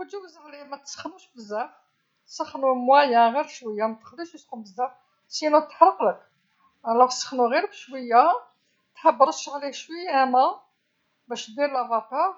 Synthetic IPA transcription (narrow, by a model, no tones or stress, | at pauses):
wəd̪ubzəɣlimæt̪sə̥xːnuʃbəzːæf | səxnumwæjæɣiɾʃwəjːamæt̪ːə̥xliʃəsxumbəzːæf | sinut̪ːħɾˤəqlək | læfsˤə̥xnuɣiɾbʃwəjːa | t̪ħabːɾˤət̪ʃʕliʃwəjːæmæ | bæʃd̪iɾlæbɑqɑ